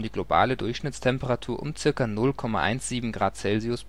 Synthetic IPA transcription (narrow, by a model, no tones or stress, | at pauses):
diːɡloba̰ːlədʊɐçʃnɪt͡stʰɛmpəʁatʰuːɐʔʊ̰mt͡sɪɐkɐnʊlkʰɔma̰ʔa̰ɪnsz̥iːbm̩ɡʁaːt͡sɛlziʊs